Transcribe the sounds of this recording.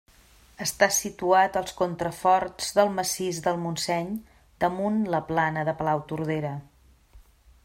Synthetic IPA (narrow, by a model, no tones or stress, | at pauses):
əst̪asit̪uat̪əlˠskont̪ɾəfɔɾd͡zðəlˠməsizdəlˠmunsɛɲ | d̪əmunləplanəðəpəlawt̪uɾðeɾə